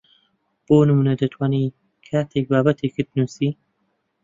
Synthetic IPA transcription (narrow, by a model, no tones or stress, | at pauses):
b̥onəmunad̪ət̪ʰwani | kʰat̪ʰek̚baːbat̪ʰekət̪nusi